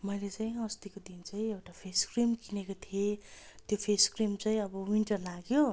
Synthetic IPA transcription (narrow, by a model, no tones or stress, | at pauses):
mʌjlet͡saĩʌst̪ikod̪int͡saĩewʈapʰeskrimkinekot̪ʰjet̪jopʰeskrimt͡saĩʌbʌwiɳʈʌrlaɡjo